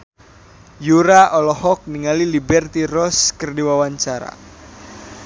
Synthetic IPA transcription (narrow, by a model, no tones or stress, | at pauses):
juɾaʔɔlɔhɔk̚niŋalilibɛrt̪irɔskərdiwawaɲt͡ʃaɾa̰